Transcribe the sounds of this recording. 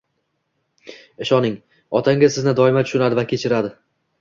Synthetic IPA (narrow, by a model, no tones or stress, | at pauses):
ɪʃɒnɪŋ | ɒt̪ʰaŋɡʲasɪznɪd̪ɒɪmat̪ʰʊ̥ʃʊnad̪ɪvakʲʰet͡ʃʰɪɾad̪ɪ